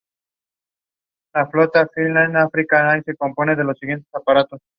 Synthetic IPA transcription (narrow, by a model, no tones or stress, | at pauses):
laflo̞t̪afilnanafɾikanaise̞ko̞mpo̞ne̞ðe̞lo̞sːiɣje̞nt̪e̞sapaɾat̪o̞s